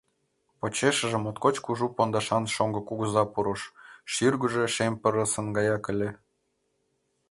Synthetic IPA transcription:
pot͡ɕeʃə̆ʒĕmot̪kot͡ɕkuʒupond̪ɑʃɑnʃoŋɡɤ̆kuɣəzɑpuɾoʃʃyrɡuʒeʃemʲpə̆ɾə̆sə̆nɡɑjɑkɘ̆lʲĕ

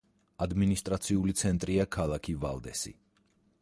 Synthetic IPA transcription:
ad̪minist̪ʼɾat̪sʰiulit̪sʰɛnt̪ʼɾiakʰalˠakʰiva̰lˠd̪ɛ̰sḭ

